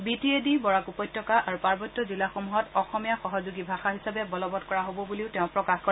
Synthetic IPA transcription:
bitiedibɔɹakupɔjtːɔkaʔaɹupaɹbɔtːɔzilaxomuɦɔtɔxɔmijaxɔɦɔzuɡibʱaxaɦisabɛbɔlɔbɔtkɔɹaɦobɔbuliʊteʊ̃pɹɔkaxkɔ

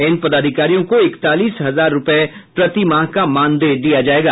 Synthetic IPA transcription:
ɪnpɐd̪aːd̪ʱɪkaːɾijõkoɪkt̪aːliːsɦɐzaːɾːʊpe | pɾɐt̪imãːɦkamãːnd̪eːd̪ijad͡ʒaːeːɡaː

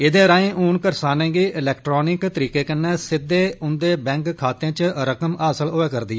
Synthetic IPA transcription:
ɪd̪ẽːɾãːẽːʔuːnkəɾsaːnẽːɡiːɪlɛːkʈɾoːnɪkt̪əɾiːkeːkənːɛ̃ːsɪd̪ːeːʊnd̪eːbɛ̃ːŋkʰːaːt̪ẽːt͡ʃɾəkəmaːsəloːeːkəɾd̪iːɛː

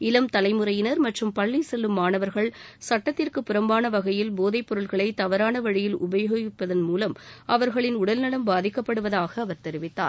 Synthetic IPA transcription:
ɪlɐmt̪ɐlɐɪmɯɾɐjɪnɐɾmɐʈrɯmpɐɭːisɛlːɯmːaːnɐʋɐɾɣɐɭsɐʈːɐt̪ːɪrkɯpːɪɾɐmbaːnɐʋɐɣɐjɪlboːðɐɪpːɔɾɯɭɣɐɭɐɪt̪ɐʋɐɾaːnɐʋɐɻɪjɪlʊ̰bɐjɐɣʋɪpːɐðɐnmuːlɐmʔɐʋɐɾɣɐɭɪnʊɽɐlnɐɽɐmbaːðɪkːɐpːɐɽɯʋɐðaːɣɐːʋɐɾt̪ɛɾɪʋɪt̪ːa̰ːɾ

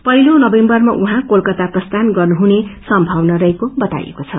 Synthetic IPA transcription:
pʌɦilonʌbembʌrmaʔuɦãkolkʌt̪aprʌst̪ʰanɡʌrnuɦunesʌmbʱawnʌɾʌɦekobʌt̪a̰jḛkot͡sʰʌ

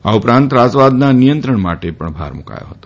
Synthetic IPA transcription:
aupɾãnt̪ɾasʋad̪nanijənt̪ɾəɳmaʈepəɳbʱa̰ɾmuka̰jo̰ɦət̪o

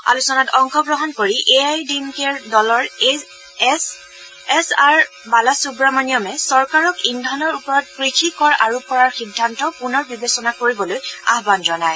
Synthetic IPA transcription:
a̰lusɔnatɔŋxɔbɹɔɦɔnkoɹiʔeajdimkɛɹdɔlɔɹ | s | ɛsaɹ | balasubɹamanijɔmɛsɔɹkaɹɔkindʱɔnɔɹupɔɹɔt̚pɹikʰikɔɹaɹupːɔɹaɹxidʱːantɔpunɔɹbibesɔnakoɹibɔloja̰ɦbanzɔnaj

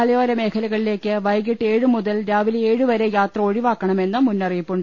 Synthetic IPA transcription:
ɐlɐjoːɾɐme̞ːkʰɐlɐɣɐɭile̞ːkʲːɨʋɐjɣiʈːe̞ːɻɨmuðɐlɾaːʋileːɻɨʋɐɾejaːt̪rɐo̞ɻiʋaːkːɐɳɐme̞nːɨmunːɐrijipːuɳɖ

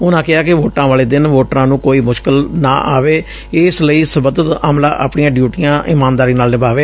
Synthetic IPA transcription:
ʊnãːkɪaːkɪʋoːʈãːʋaːleːd̪ɪnʋoːʈɾãːnũːkoːiːmʊʃkɪlna̰ːʔa̰ːʋeː | ɪsləiːsəbəd̪ət̪a̰ːmlaːʔa̰ːpɳɪjãːɖjuːʈijãːʔɪmaːnd̪aːɾiːnaːlnɪbaːʋeː

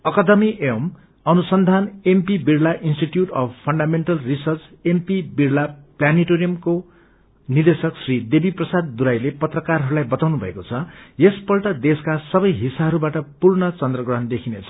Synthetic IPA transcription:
ʌkʌd̪ʌmiʔem | ʌnusʌnd̪ʱanempibiɽlaʔinsʈiʈjuʈʌbpʰʌɳɖameɳʈʌlrisʌrt͡sempibiɽlapljaniʈoɾijʌmko | nid̪esʌksrid̪ebiprʌsad̪̚ːuɾajlepʌt̪rʌkarɦʌɾulajbʌt̪awnubʱʌ̰ekot͡sʰʌjespʌlʈʌd̪eskasʌbʌjɦisaɦʌɾubaʈʌpurnʌt͡sʌnd̪rʌɡʌɦʌnd̪ekʰinet͡sʰʌ̥

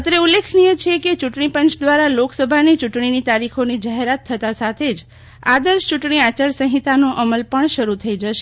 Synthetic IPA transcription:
t̪ɾeulːekʰnijət͡ʃʰeket͡ʃuʈɳipənt͡ʃd̪ʋaɾaloksəbʱanit͡ʃuʈɳinit̪aɾikʰonid͡ʒaɦeɾat̪ʰːət̪asat̪ʰed͡ʒ | a̰d̪əɾʃt͡ʃuʈɳiat͡ʃəɾsə̃ɦit̪anoʔəməlpəɳʃəɾut̪ʰəid͡ʒəʃe

